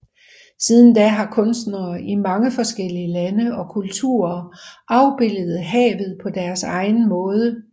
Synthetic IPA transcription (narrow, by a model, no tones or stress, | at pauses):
sið̞ˠn̩d̥æɦɑ̈kʰɔ̽nsd̥nɐːimɑ̈ŋəfɒ̽sɡ̥el̰iəlænəɒ̽kʰult͡sʰṵːɐʔɑ̈ʊb̥e̝ləð̩ˠɦɛ̰ːʋð̞̩ˠpʰɒ̽d̥æɐsɑ̈ɪn̩mɔ̽ːð̞ˠə